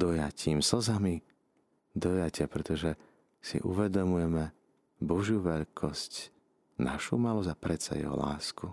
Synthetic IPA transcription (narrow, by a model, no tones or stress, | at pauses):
d̪ɔjaciːmsɔzami | d̪ɔjacɪapɾɛt̪ɔʒɛ | sḭʔṵʋɛd̪ɔmujɛmɛ | bɔʒjuʋɛʎkʰɔsc | naʃṵmalɔzapɾɛt͡sa̰jɛ̰ɦɔ̰la̰ːsku